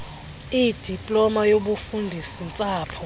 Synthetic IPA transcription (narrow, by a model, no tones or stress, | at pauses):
id̥ʱipʼlɔmajoɓufundʱisint͡sʼaːpʰɔ